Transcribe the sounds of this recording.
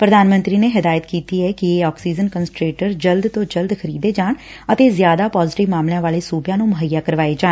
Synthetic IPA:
pɾəd̪aːnmə̃nt̪ɾiːneːɦɪd̪aːjət̪kiːt̪iːɛːkɪeːɔːksiːd͡ʒənkənsʈɾeːʈəɾd͡ʒəld̪t̪õːd͡ʒəld̪kʰəɾiːd̪eːd͡ʒaːɳ | ət̪eːzjaːd̪aːpɔːzɪʈɪʋmaːmljãːʋaːleːsuːbjãːnũːmʊɦəjːaːkəɾʋaːed͡ʒaː

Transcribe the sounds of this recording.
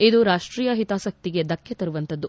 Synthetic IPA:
id̪uɾaːʂʈɾiːjɐɦit̪aːsɐk̚t̪iɡe̞d̪ɐkjɐt̪ɐɾuʋɐnt̪ɐd̪ːu

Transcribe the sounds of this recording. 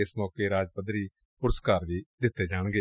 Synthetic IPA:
ɪsmɔːkeɾaːd͡ʒpəd̪ɾiː | pʊɾəskaːɾʋiːd̪ɪt̪ːed͡ʒaːɽ̃ɡeː

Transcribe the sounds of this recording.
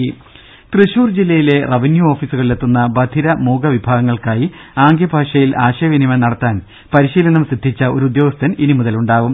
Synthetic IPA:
t̪riɕuːrd͡ʑilːɐjile̞rɐʋinjuo̞ːfiːsuɣɐɭːet̪ːunːɐbɐd̪ʱiɾɐmuːɡɐʋibʱaːɡɐŋːɐɭkaːjiaːŋɡjɐbʱaːʂɐjilʔaːɕɐjʋinimɐnɐɽɐt̪ːaːn | pɐɾiɕiːlɐnɐmsid̪ʱːit͡ɕːɐo̞ɾuud̪joːɡɐst̪ʰːɐninimuðɐluɳɖaːʋum

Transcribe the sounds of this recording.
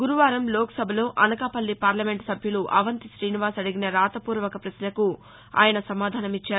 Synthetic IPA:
ɡuɾuʋaːɾɐmloːkɐ̥sɐbʱɐlo̞ːʔɐnɐkaːpɐlːipaːɾlɐme̞ɳʈsɐbʱjɐluʔɐ̰ʋɐnt̪iʃɾiːniʋaːsɐɽiɡinɐɾaːt̪ɐpuːɾʋɐkɐpɾɐslɐku | a̰ːjɐnɐsɐmaːd̪ʱaːnɐmit͡ʃːaːɾ

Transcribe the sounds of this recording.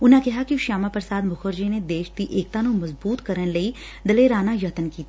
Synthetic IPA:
ʊnãkɛɦakiʃaːmapɾəsaːd̪mʊkʰoɾd͡ʒined̪eːʃd̪iʔeːk̚t̪anõmɐzbuːt̪kɐɾənlɐi | d̪ɐleɾaːnajɐt̪ənkiːt̪ː

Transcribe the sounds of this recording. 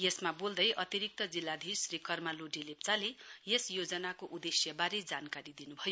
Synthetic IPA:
jesmabold̪ʌjʔʌt̪iɾik̚t̪ʌd͡zilːad̪ʱisrikʌrmaloɖilep̚t͡salejesjod͡zʌnakoʔud̪esjʌbaɾed͡zankaɾid̪inubʱʌjo

